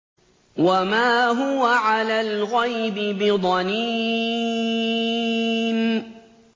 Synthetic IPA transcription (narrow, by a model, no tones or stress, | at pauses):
wamaːɦʊwaʕalaːlɣajbɪbɪd̪ˤɑniː | n